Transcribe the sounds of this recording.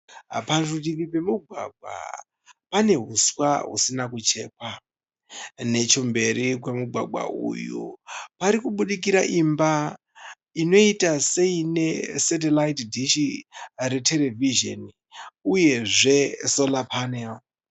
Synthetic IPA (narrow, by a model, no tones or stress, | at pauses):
paruriripe̞muɡʱwa̰ɡʱwa̰ | pane̞ɦuswaɦṵsinakut͡ʃe̞̰ːpa | ne̞t͡ʃo̞mbe̞ɾik̬wemuɡʱwa̰ɡwa̰ʔṵjṵpaɾikuɓuɗik̬iɾaʔimba | ino̞itase̞ine̞set̬elaitdʱiʃiɾe̞tʰe̞le̞viʒo̰ni | uje̞ʐe̞so̞lapʰanel